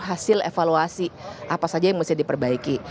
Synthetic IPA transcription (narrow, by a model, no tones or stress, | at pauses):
ɦasɪlḛfaluasiʔapasad͡ʒajaŋməsɪhdipərbaiki